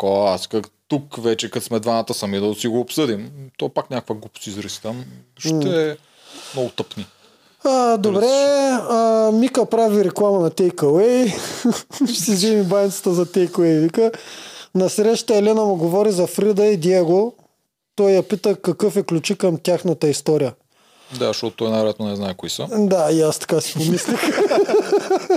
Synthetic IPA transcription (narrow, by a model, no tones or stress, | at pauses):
koaskɐt̪ukvɛt͡ʃɛkɐt̪smɛd̪vanat̪əsɐmid̪ɐsiɡoːpsɤd̪imt̪ɔpaknʲakkvɐɡˠupsiizɾisi̥t̪amʃ̩ɛ | mnɔɡʊt̪əpni | əd̪obɾɛ | mikəpɾaviɾɛklˠamɐnɐt̪ɛjkɐwɛj | sizɛmibajnit̪sə̥t̪əzɐt̪ɛjkɐwɛjvikənɐsɾɛʃt̪əɛlɛnɐmuɡovɔɾizɐfɾid̪əid̪iɛɡo | t̪ɔjjɐpit̪əkɐkɤfɛklʲut͡ʃikɐmt̪ʲjaxnɐt̪əist̪ɔɾijə | d̪a̰ʃt̪ɔt̪t̪ɔjnaɾɛt̪nonɛznajkoisəd̪aiast̪ɐ̥kasi̥pomislʲix